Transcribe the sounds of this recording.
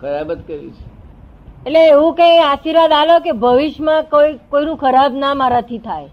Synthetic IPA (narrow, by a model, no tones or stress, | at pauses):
kʰəɾabət̪kəɾḭt͡ʃʰe̥ | etleːʋũkẽeaʃiɾʋad̪alokebʱəʋiʃmãkoikoinũkʰəɾabnamãɾət̪ʰit̪ʰaj